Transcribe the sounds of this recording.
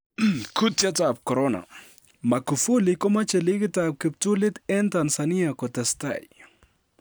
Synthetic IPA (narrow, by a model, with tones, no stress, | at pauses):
ku˦tja˦ta˨p̚kɔ˨ɾɔna̰˨ | ma˨ku˨fu˦li˨kɔ˦ma˦t͡ʃɛ˨li˦kɪ˦tap̚kɪ˨p̚tu˦lɪ˦t̪ɛ˦nta˨nsani˦a˨kɔ˨tɛ˨sta̰˨j